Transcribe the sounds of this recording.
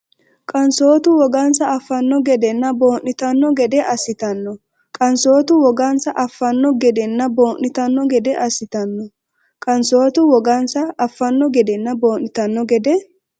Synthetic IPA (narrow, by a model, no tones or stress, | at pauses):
kʼɐnso̞ːt̪ʊwɔɡɐnsɐɐfːɐnːɔɡɛd̪ɛnːɐbo̞ːnːɪt̪ɐnːɔɡɛd̪ɛʔɐsɪt̪ɐnːɔ | kʼɐnso̞ːt̪ʊwɔɡɐnsɐʔɐfːɐnːɔɡɛd̪ɛnːɐbo̞ːnːɪt̪ɐnːɔɡɛd̪ɛʔɐsɪt̪ɐnːɔ | kʼɐnso̞ːt̪ʊwɔɡɐnsɐʔɐfːɐnːɔɡɛd̪ɛnːɐbo̞ːnːɪt̪ɐnːɔɡɛd̪ɛ